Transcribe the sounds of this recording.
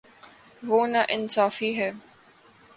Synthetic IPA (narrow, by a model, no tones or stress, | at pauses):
ʋoːnaʔɪnsaːfiɦɛː